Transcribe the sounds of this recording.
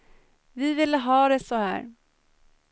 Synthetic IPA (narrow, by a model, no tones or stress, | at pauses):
vɪvɪlːəɦɑːd̪ɛsɔhæ̰ːɾ